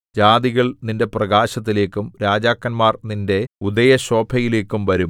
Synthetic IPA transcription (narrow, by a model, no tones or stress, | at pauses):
d͡ʑaːd̪iɣɐɭninde̞prɐɣaːɕɐt̪̬ːile̞ːkːumɾaːd͡ʑaːkːɐnmaːrninde̞ud̪ɐjɐɕo̞ːbʱɐjile̞ːkːumʋɐɾum